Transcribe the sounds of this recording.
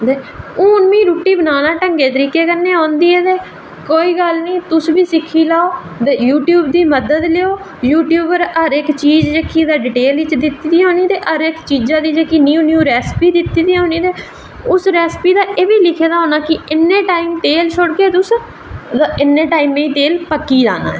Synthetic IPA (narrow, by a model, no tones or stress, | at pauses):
d̪eːuːnʋĩːɾuːʈiːbənaːnaːʈəŋɡeːt̪əɾiːkeːkəɾnːẽːɦõːnd̪iːɛːd̪eː | koːiːɡəlnĩːt̪ʊsʋiːsɪkʰːiːlaːoː | d̪ejuːʈjuːbd̪iːməd̪əd̪leoː | juːʈjuːbəɾəɾɪkt͡ʃiːd͡ʒd͡ʒeːkiːd̪aːɖɪʈeːlʋɪt͡ʃd̪ɪt̪ːiːd̪iːɦõːniːt̪eːʔəɾɪkt͡ʃiːd͡ʒãːd̪iːd͡ʒeːkiːniuːnjuːɾɛːspiːd̪ɪt̪ːiːd̪iːɦõːniːd̪eː | ʊsɾɛːspiːd̪aːʔeːʋiːlɪkʰeːd̪aːɦoːnaːkɪɪnːẽːʈaːimʈ̪eːlʃʰʊɽɡeːt̪ʊs | d̪aɪnːẽːʈaːiːmẽːiːt̪eːlpəkːiːd͡ʒa̰ːna̰ːɛ